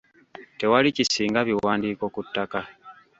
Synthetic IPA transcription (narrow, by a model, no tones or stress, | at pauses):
te̞walicisiːŋɡaβiwaːndiːko̞kutːaka